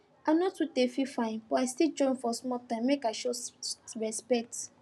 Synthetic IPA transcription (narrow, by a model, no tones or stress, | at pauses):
ãnɔtutefifãɪ̃nb̥ɔaɪstild͡ʒɔ̃ɪ̃nfɔsmɔtãɪ̃mːekaɪʃosɹɛspɛk̚t